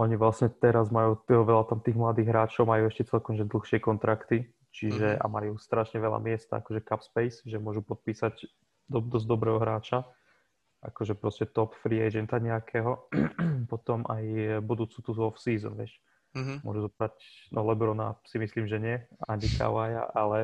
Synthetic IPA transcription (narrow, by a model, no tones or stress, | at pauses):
ɔɲiʋlasɲɛt̪ɛɾazmajuːt̪ʋɛʎat̪amt̪iːɣmlad̪iːɣɦɾaːt͡ʃɔʊmajuɛʃcɛt͡sɛlkɔmʒɛd̪l̩ˠxʃɪɛkɔnt̪ɾakt̪i | t͡ʃiʒɛʔa̰majuːst̪ɾaʃɲɛʋɛla̰mɪɛst̪a̰a̰kɔʒɛkapspɛjsʒɛmʊɔʒupɔt̪̚piːsaɟ | d̪ɔd̪ɔzd̪ɔbɾɛːɦɔɦɾaːt͡ʃa | ʔa̰kɔʒɛpɾɔscɛt̪ɔpfɾiɛjd͡ʒɛnt̪aɲɛakʰɛːɦɔ | pɔt̪ɔmʔa̰jbud̪uːt͡sut̪uzuɔfsiːzɔ̰nʋɪɛʃ | mʊɔ̰ʒuzɔbɾacnɔlɛbɾɔna̰simisliːmʒɛɲɪɛaɲika̰waja̰ʔalɛ